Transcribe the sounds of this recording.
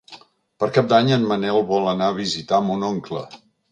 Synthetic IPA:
pəɾkap̚d̪aɲənmənɛlˠβɔlˠənaəβ̞izit̪amunoŋklə̰

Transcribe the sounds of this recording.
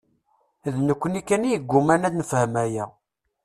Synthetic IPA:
ðnəkʷːənikːænijəɡʷːumænæd̪nəfhəmæjæ

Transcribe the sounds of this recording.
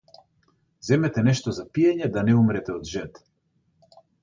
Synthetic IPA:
zɛmɛt̪ɛnɛʃt̪ɔzapiɛɲɛd̪anɛumɾɛt̪ɛɔd̪ʒɛt̪

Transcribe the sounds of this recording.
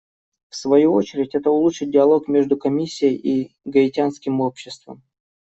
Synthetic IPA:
fsvɐjuo̞t͡ɕɪɾʲɪtʲɛt̪əʊlˠuʂɨt̪̚dʲɪɐlˠo̞kmʲe̞ʐd̪ʊkɐmʲisʲːɪjəjʔiɡəɪtʲanskʲɪmo̞pɕːɪst̪və̰m

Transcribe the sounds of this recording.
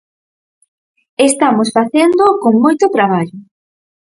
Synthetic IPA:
est̪amosfaθend̪okoŋmojt̪ʊt̪ɾaβ̞aʎʊ

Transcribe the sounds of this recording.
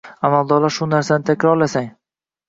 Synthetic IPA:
amalˠd̪ɒɾlˠaɾʃʊnaɾsanɪt̪ʰakʲɾɒɾlasaŋ

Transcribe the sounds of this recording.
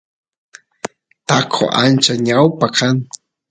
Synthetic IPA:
t̪akʰo̰ʔa̰nt͡ʃaɲawpakʰaŋ

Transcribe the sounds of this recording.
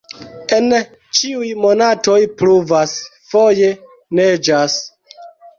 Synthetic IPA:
e̞n | t͡ʃiujmo̞nato̞jpluvasfoje̞ | ned͡ʒas

